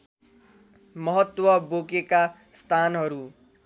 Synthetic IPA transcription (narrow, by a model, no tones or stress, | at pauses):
mʌɦʌt̪ːwʌbokeka | st̪ʰanɦʌɾu